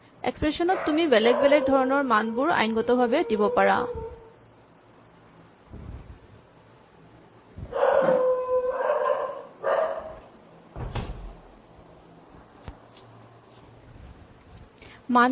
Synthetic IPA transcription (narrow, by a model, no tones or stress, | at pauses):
ḛkspɾeʃonot̪ːumibɛlekbelek̚d̪ʱɔɾonoɾmanbuɾa̰jnɡɔt̪obʱabed̪ibopaɹa̰ | man